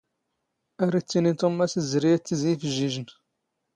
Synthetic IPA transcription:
æɾit͡sːinit̪ˤomæsəzɾijæt͡sːəzifəʒiʒən

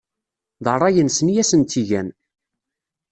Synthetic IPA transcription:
ðərˤːɑjənsənijæsənt̪iʝæn

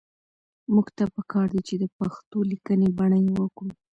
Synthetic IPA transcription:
muɡt̪apəkɑɾd̪it͡ʃed̪əpaxt̪olikənebaɳəjwəkɽu

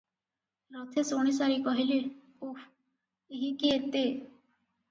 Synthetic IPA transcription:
ɾɔt̪ʰesoɽ̃isaɾikɔɦile | uf | eɦikiet̪e

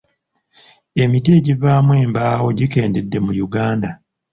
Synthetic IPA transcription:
e̞mit̬e̞ɟivaːmwe̞ːmbaːwo̞ɟike̞ːnde̞dːe̞mujuɡaːnda

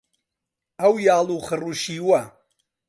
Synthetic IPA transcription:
ɐwjaːlˠuːχəruʃiːwɐ

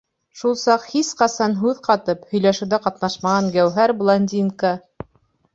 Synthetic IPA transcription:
ʃulˠsɑqhisqɑsɑnɦʉðqɑt̪ɤphɵ̆jlæʃɘ̆wðæqɑt̪nɑʃmɑʁɑŋɡæwɦæɾblˠonʲdʲinkə

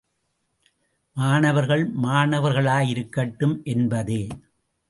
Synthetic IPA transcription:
maːɳɐʋɐɾɣɐɭmaːɳɐʋɐɾɣɐɭaːjɪɾɯkːɐʈːɯmʔɛnbɐðeː

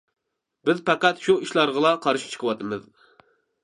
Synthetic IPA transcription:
bɪzpɑqæt̪ʃuiʃlˠɑɾʁəlˠɑqʰɑɾʃi̥t͡ʃʰə̥qʰəwɑt̪ʰɨmɨ̰z

